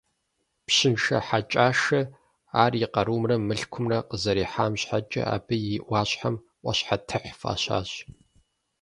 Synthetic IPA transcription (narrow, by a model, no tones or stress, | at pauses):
pɕɪnʃɐ̰ħat͡ʃʼaːʃɐ | aːrjɪqɐɾuːmrɐmɨɬkʷʰʊmrɐqəzɐɾiːħaːmɕħat͡ʃʼɐ̰a̰ːbɨjɪʔʷɑːɕħam | ʔʷɔ̰ɕħatʰɨħfa̰ːɕa̰ːɕ